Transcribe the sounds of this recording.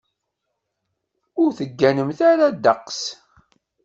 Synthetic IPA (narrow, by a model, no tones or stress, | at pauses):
ʊɾθəɡːænəmθaɾad̪ɑqs